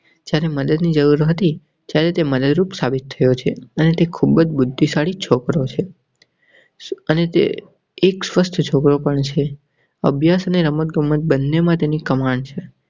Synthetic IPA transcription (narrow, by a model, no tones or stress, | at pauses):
d͡ʒjaɾeməd̪əd̪nid͡ʒəɾuɾɦət̪i | t̪jaɾet̪eməd̪əd̪ɾupsabit̪ʰːəjot͡ʃʰeənet̪ekʰubəd͡ʒbʊd̪ʱːisaɭit͡ʃʰokɾot͡ʃʰe | ənet̪ḛː | ksʋəst̪ʰt͡ʃʰokɾopəɳt͡ʃʰe | ə̰bʱjasəneɾəmət̪̚ɡəmːət̪̚bənːemãt̪enikəmaɳt͡ʃʰe